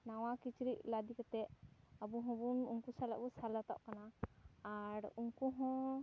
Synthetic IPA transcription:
nawakit͡ʃɾiʔlad̪ikat̪ɛʔabuɦɔ̃bunuŋkusala̰ʔbusalat̪a̰ʔkanaː | ɾuŋkuɦɔ̃

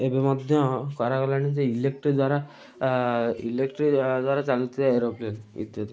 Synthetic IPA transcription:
ebemɔd̪ʱjɔkɔɾakɔlanid͡zeilek̚ʈɾid̪waɾa | ḭlekʈɾid̪waɾat͡salit̪iaeɾoplienḭt̪jɔt̪

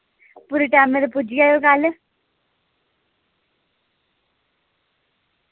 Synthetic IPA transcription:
puɾiʈɛːmed̪epud͡ʒiaːjoːkal

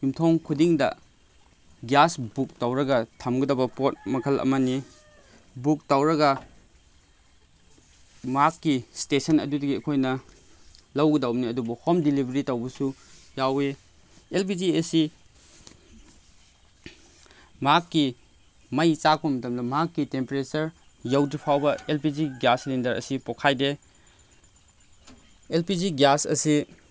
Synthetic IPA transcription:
jumtʰoŋkʰudiŋdɐ̰ | ɡjasbuk̚tawɾɐɡɐtʰamɡɐdɐbɐpot̚mɐkʰɐlʔɐ̰mɐni | buk̚tawɾɐɡɐ | makːistesɐnɐ̰dudɐɡiɐkʰojnɐ | lɐwɡɐdɐwniɐdubɐhɔmdilibʱɐɾitɐwbɐsujawe | elp̬id͡ʒiɐsi | makːi | mɐjt͡ʃak̚bɐmɐtɐmdɐmakːitempeɾet͡ʃɐɾ | jɐwdipʰawbɐelpid͡ʒiɡjaslindɐɾɐ̰sipokʰajde | elpid͡ʒiɡasɐ̰si

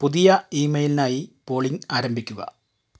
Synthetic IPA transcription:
puðijɐiːmɐjlinaːjipo̞ːɭiŋaːɾɐmbʱikʲːuɣɐ̰

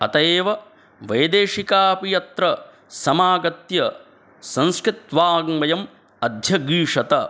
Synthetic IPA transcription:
ɐ̰t̪ɐeːʋɐ | ʋɐjd̪eːʂikaːpijɐt̪ɾɐ | sɐmaːɡɐt̪jɐ | sɐ̃nskɾɪt̪ʋaːɡmɐjɐm | ɐd̪ʱjɐɡɾiːʂɐt̪ɐ

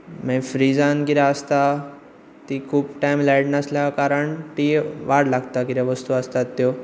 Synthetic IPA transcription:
mɛ̃fɾid͡zãnkiɾaəst̪a | t̪ikʰuːbʈajmlajɽnəsljakaɾəɳt̪iʋaɽlaɡt̪akiɾaʋəst̪uəst̪at̪ːjo

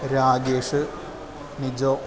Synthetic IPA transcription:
ɾaːɡeːʂɨ | nid͡ʑoː

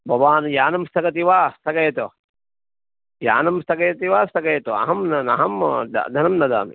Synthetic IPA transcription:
bʱɐʋaːnjaːnɐmst̪ʰɐkɐt̪iʋaːst̪ʰɐkɐjt̪o | ja̰ːnɐmst̪ʰɐkɐjt̪iʋaːst̪ʰɐkɐjt̪oɐ̰ɦɐmnɐnɐ̰ɦɐmd̪̰d̪ʱɐnɐmnɐd̪a̰ːmḭ

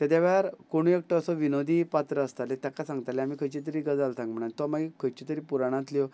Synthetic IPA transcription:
t̪ɛt̪jaʋaɾkoɽ̃uek̚ʈɔəsɔʋinod̪ʱiːpat̪ɾəəst̪alet̪jakasãŋɡt̪aleamiːkʰəjt͡ɕit̪̬əɾiːɡəd͡zalt̪ʰãŋɡm̤əɳ̃ant̪ɔmaɡikʰəjt͡ɕit̪əɾiːpuɾaɽ̃ãt̪ljo

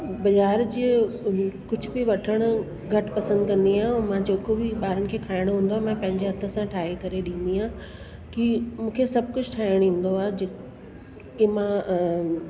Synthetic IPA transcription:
bɐzaːɾd͡ʑiː | kʊd͡ʑʱʊbɪʋɐʈʰəɽ̃ʊ | ɡʱɐʈpɐsə̃nd̪kɐ̃nd̪iãːmãd͡ʑoːkobiɓaːɾənɪ̆kʰeːkʰaːɪɽ̃ɦũːn̆d̪oaːmãpɐ̃ɦɪ̃ɲd͡ʑeɦɐt̪ʰə̆sãʈʰaːikɐɾeɗĩːn̆d̪iãː | kimũːkʰesɐb̚ʱkʊd͡ʑʱʈʰaːɪɽ̃ĩːn̆d̪oaːɦed͡ʑe | kemã

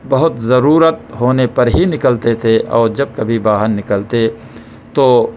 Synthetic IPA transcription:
bɐɦʊt̪zɐɾuːɾət̪̚ɦoːnepɐɾɦinɪkəlt̪et̪ʰeʔɔːɾd͡ʒɐb̚kɐbʱibaːɦənːɪkəlt̪e | t̪oː

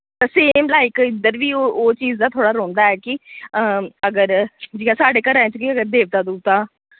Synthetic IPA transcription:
t̪əseːmlaːɪkɪd̪əɾʋiːooːt͡ʃiːzd̪aːt̪ʰoːɽaːɾoːnd̪aːɛːkɪəəɡəɾd͡ʒɪɡaːsaːɖeːkəɾɛ̃ːt͡ʃkiəɡəɾd̪eːʋt̪aːd̪uːt̪ãː

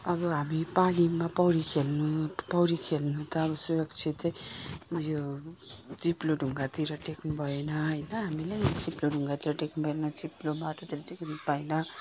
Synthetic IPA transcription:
ʌbʌɦamipalimapʌwɾikʰelnupʌwɾikʰelnut̪ʌːβʌsujʌɡt͡sʰit̪ | ʌjo | d͡ziploɖʱuŋɡat̪iɾʌʈeknubʱʌenʌɦʌjnʌɦamilejd͡ziploɖʱuŋɡat̪iɾʌʈeknubʱʌenʌd͡ziplomaʈot̪iɾʌʈeknipajnʌ

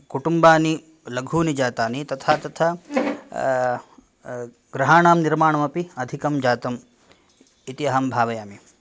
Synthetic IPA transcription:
kuʈumbaːni | lɐɡʱuːnid͡ʒaːt̪aːnit̪ɐt̪ʰaːt̪ɐt̪ʰɐ | ɡɾɐɦaːnaːmniɾmaːɳɐmɐpiɐd̪ʱikɐmd͡ʒaːt̪ɐm | it̪iɐɦɐmbʱaːʋɐjaːmi

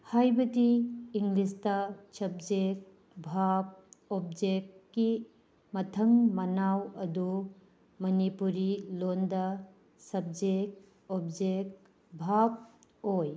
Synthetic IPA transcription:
hajbɐdiːŋɡlistɐsɐb̚d͡ʒek̚ | bʱab̚op̚d͡ʒek̚ki | mɐtʰɐŋmɐnawɐdu | mɐnipuɾilondɐ | sɐb̚d͡ʒek̚ | ob̚d͡ʒek | bʱab̚oj

